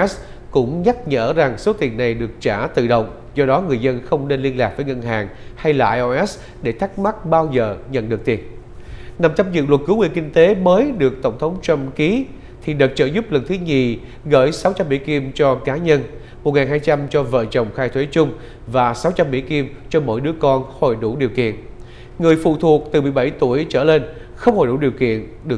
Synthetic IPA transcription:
ɛ˦˥s | kʊ̰˧˥ŋ͡mɲa˦˥t̚ɲə̰ː˧˩za˨˩ŋso˨˦t̪i˨˩ənːa˨˩jɗɨ˨˩ək̚t͡ɕaː˧˩t̪ɨ̰˧˨ɗə̰˧˨wŋ͡m | zɔ˧ɗɔ˨˦ŋɨ˨˩əjzə˧nxə˧wŋ͡mne˧nli˧ənlaː˨˩k̚vəː˨˦jŋə˧nɦaː˨˩ŋha˧jlaː˨ʔa˧ʔʔɛ˦˥s | ɗe˧˩t̪ʰa˦˥k̚ma˦˥t̚ɓaː˧wzəː˧˨˩ɲə̰˧˨nɗɨ˨˩ək̚t̪i˨˩ən | na˨˩mt͡ɕa˧p̚zɨ̰˧˨lwə˨˩t̚kɨ˨˦wḭ˧˨əki˧ŋ̟t̪e˨˦məː˨˦jɗɨ˨˩ək̚t̪ə˧˩wŋ͡mt̪ʰə˨˦wŋ͡mt͡ɕə˧mki˨˦ | t̪ʰi˨˩ɗɨ˨˩k̚t͡ɕə̰ː˧˩zʊ˦˥p̚lə˨˩nt̪ʰɨ˨˦ɲi˨˩ | ɣəː˧˩jsa˨˦wt͡ɕa˧mːḭ˧˥ki˧mt͡ɕɔ˧kaː˨˦ɲə˧n | mo˨˩t̚ŋaː˨˩nɦaː˧jt͡ɕa˧mt͡ɕɔ˧və̰ː˧˨t͡ɕə˨˩wŋ͡mxaː˧jt̪ʰwe˨˦t͡ɕʊ˧ŋ͡m | vaː˨˩sa˨˦wt͡ɕa˧mːḭ˧˥ki˧mt͡ɕɔ˧mo̰˧˥jɗɨ˨˦əkɔ˧nho˧˩jɗu˧˩ɗi˨˩əwkḭ˧˨ən | ŋɨ˨˩əjfṵ˧˨t̪ʰu˨˩ək̚t̪ɨ˨˩mɨ˨˩əjɓa˧˩jt̪u˧˩əjt͡ɕə̰ː˧˩le˧n | xə˧wŋ͡mho˨˩jɗṵ˧˩ɗi˨˩əwkḭ˧˨ən | ɗɨ˨˩ə

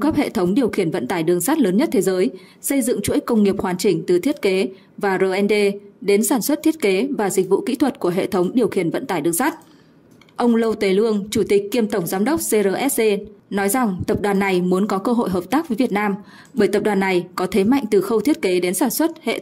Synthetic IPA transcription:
ɣə˦˥p̚hḛ˧˨t̪ʰə˨˦wŋ͡mɗi˨˩əwxi˧˩ənvə̰˧˨nt̪aː˧˩jɗɨ˨˩əŋsaː˦˥t̚ləː˨˦nɲə˦˥t̚t̪ʰe˨˦zəː˨˦j | sə˧jzɨ̰˧˨ŋt͡ɕṵ˧˥˦j̚kːə˧wŋ͡mŋi˨˩əp̚hwaː˨˩nt͡ɕï˧˩ŋ̟t̪ɨ˨˩t̪ʰi˦˥ət̚ke˨˦ | vaː˨˩zəː˧ʔɛ˧nɗe˧ɗe˨˦nsaː˧˩nswə˦˥t̚t̪ʰi˦˥ət̚ke˨˦vaː˨˩zi˨˩k̟̚vṵ˧˨kḭ˧˥t̪ʰwə˨˩t̚ku˧˩əɦḛ˧˨t̪ʰə˨˦wŋ͡mɗi˨˩əwxi˧˩ənvə̰˧˨nt̪aː˧˩jɗɨ˨˩əŋsaː˦˥t̚ | ʔə˧wŋ͡mlə˧wt̪e˨˦lɨ˧əŋt͡ɕu˧˩t̪ï˨˩k̟̚ki˧əmt̪ə˧˩wŋ͡mzaː˨˦mɗə˦˥wk͡p̚se˧zəː˧˩ʔɛ˦˥s̚se˧nɔ˨˦jza˨˩ŋt̪ə˨˩p̚ɗwaː˨˩nːa˨˩jmu˨˦ənkɔ˨˦kəː˧ɦo̰˧˨jɦəː˨˩p̚t̪aː˦˥k̚vəː˨˦jvət̚naː˧m | ɓəː˧˩jt̪ə˨˩p̚ɗwaː˨˩nːa˨˩jkɔ˨˦t̪ʰe˨˦ma̰˧˨jŋ̟t̪ɨ˨˩xə˧wt̪ʰi˦˥ət̚ke˨˦ɗe˨˦nsaː˧˩nswə˦˥t̚hḛ˧˨

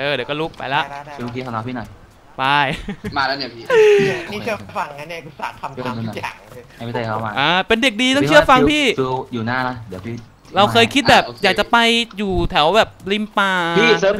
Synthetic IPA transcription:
ʔɤː˧˩di˨˩˦wkɔː˥˩lu˦˥k̚pa̰˧jla˦˥ɯ˧o˧kʰiː˧˩a˧˩nɔː˧˦˥pʰiː˥˩nɔ˨˩j | pa˧jmaː˧lɛ˦˥ni˧˩˨pʰiː˥˩˧niː˥˧ɯ˥˩˨fa˧ŋ˨a˧˥ni˧ku˧˩sa̰ː˨˩a˧m˦˥˩n˧˩nɔ˨˩a˨˩˧a˧˩iː˦˩t̪eː˧˩kʰa˦˥maː˧ʔaː˧˩pe˧nde˨˩k̚diː˧t̪ɔ˥t͡ɕʰɯ˥˩əfa˧ŋpʰiː˥˩ɯ˧juː˨˩naː˥˩la˦˥di˨˦pʰiː˥˩ | ɾa˧wkʰɤː˧jkʰi˦˥bɛː˨˩jaː˨˩k̚t͡ɕa˨˩pa˧jjuː˨˩t̪ʰɛ˩˦wbɛː˨˩p̚li˧˩mpaː˧pʰiː˥˩səː˦˥

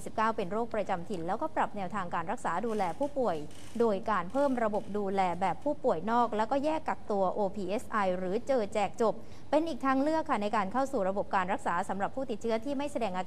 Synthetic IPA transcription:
i˩si˨˩p̚kaː˥˩wpe˧nɾoː˥˩k̚pɾa˧t͡ɕa˧mt̪ʰi˧nlɛː˦˥wkɔː˥˩pɾa˨˩p̚nɛː˧wt̪ʰaː˧ŋkaː˧nɾa˦˥k̚saː˩˦duː˧lɛː˧pʰuː˥˩pu˨˩əj | doː˧jkaː˧npʰɤː˥˩mɾa˧bo˨˩p̚duː˧lɛː˧bɛː˨˩pʰːuː˥˩pu˨˩əjnɔː˥˩k̚lɛː˦˥wkɔː˥˩jɛː˥˩kːa˨˩k̚t̪u˧ɐʔoː˧pʰiː˧ʔe˦˥sʔa˧jɾɯː˩˦t͡ɕɤː˧t͡ɕɛː˨˩k̚t͡ɕo˨˩p̚ːe˧nʔiː˨˩k̚t̪ʰaː˦˥ŋlɯ˥˩əkʰːa˥˩na˧jkaː˧nkʰa˥˩wsuː˨˩ɾa˧bo˨˩p̚kaː˧nɾa˦˥k̚saː˩˦sa˩˦mɾa˨˩pʰːuː˥˩t̪i˨˩t̪̚t͡ɕʰɯ˦˥ɐt̪ʰiː˥˩ma˥˩jsa˧dɛː˧ŋʔa˧

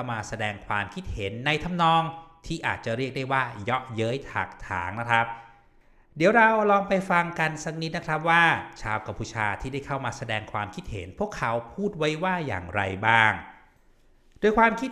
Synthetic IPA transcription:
a˥˩wmaː˧sa˧dɛː˧ŋkʰwaː˧mkʰi˦˥t̪̚he˩˦nːa˧jt̪ʰa˧mnɔː˧ŋt̪ʰiː˥˩ʔa̰ː˨˩t̪̚t͡ɕa˨˩ɾi˥˩ək̚da˥˩jwaː˥˩jɔ˦˥ʔjɤː˦˥jt̪ʰa̰ː˨˩k̚t̪ʰa̰ː˩˦ŋna˦˥kʰɾa˦˥p̚ | di˩˦əwɾa˧wlɔː˧ŋpa˧jfa˧ŋka˧nsa˦˥k̚ni˦˥t̪̚na˦˥kʰɾa˦˥p̚waː˥˩t͡ɕʰaː˧wka˧mpʰuː˧t͡ɕʰaː˧t̪ʰiː˥˩da˥˩jkʰa˥˩wmaː˧sa˧dɛː˧ŋkʰwaː˧mkʰi˦t̪̚hḛ˩˦npʰu˥˩əkʰːa˩˦˥wpʰuː˥˩t̪̚wa˦˥jwaː˥˩ja̰ː˨˩ŋɾa̰˧jbaː˥˩ŋ | doː˧jkʰwaː˧mkʰi˦˥t̪̚

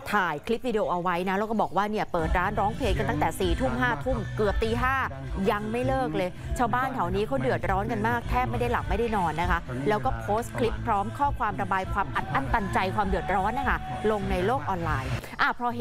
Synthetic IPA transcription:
t̪ʰaː˨˩jkʰli˦˥p̚wiː˧de˧oː˧˩ʔa˧wa˦˥jna˦˥laː˧˥wkɔ˥˩bɔː˨˩k̚waː˥˩ni˥˩ɐpɤː˨˩t̪̚ɾaː˦˥nɾɔː˦˥ŋpʰleː˧ŋka˧nt̪a˥˩ŋt̪ɛː˨˩siː˨˩t̪ʰu˥˩mɦaː˥˩t̪ʰu˥˩mkɯ˨˩əp̚t̪iː˧ɦaː˥˩ | ja˧ŋma˥˩jlɤː˥˩k̚lɤː˧j | t͡ɕʰaː˧wbaː˥˩nt̪ʰa˨˩wniː˦˥kʰa˦˥wdɯ˨˩ə˩t̪̚ɾɔː˦˥nka˧nmaː˥˩k̚t̪ʰɛː˥˩p̚ma˥˩jda˥˩jla˨˩p̚ma˥˩jda˥˩jnɔː˧nːa˦˥kʰa˦˥lɛː˦˥wkɔː˥˩pʰoː˦˥stkʰli˦˥pːʰɾɔː˦˥mkʰɔː˥˩kʰwaː˧mɾa˧baː˧jkʰwaː˧mʔa˨˩t̪̚ʔa˥˩nt̪a˧nt͡ɕa˧jkʰwaː˧mdɯ˨˩ət̪̚ɾɔː˦˥nːa˦˥˩kʰa˥˩lo˧ŋna˧jloː˥˩k̚ʔɔː˧nlaː˧j | ʔa˧˩pʰɾɔ˧

